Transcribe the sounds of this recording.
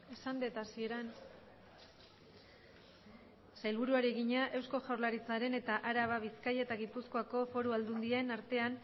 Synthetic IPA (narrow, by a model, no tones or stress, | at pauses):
esand̪et̪asie̞ɾan | sajlβuɾuaɾiɣiɲaʔe̞wsko̞ʝawɾlaɾit͡saɾe̞ne̞t̪aʔaɾaβaβiskajet̪aɣipusko̞ako̞fo̞ɾuald̪und̪iaenaɾt̪e̞an